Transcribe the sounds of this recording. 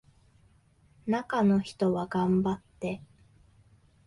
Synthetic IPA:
nakano̞çi̥t̪o̞βaɡãmbat̪ːe̞

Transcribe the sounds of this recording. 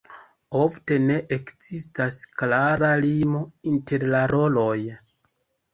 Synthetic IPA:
ofte̞ne̞ʔekzistasklaɾalimo̞inte̞ɾlaɾo̞lo̞j

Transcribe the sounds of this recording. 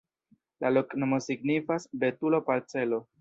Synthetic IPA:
lalo̞knomo̞siɡnifasbe̞tulo̞paɾt͡se̞lo̞

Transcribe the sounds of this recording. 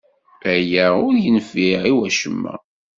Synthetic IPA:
æjæʊɾjənfiʕiwæʃəmːæ̰

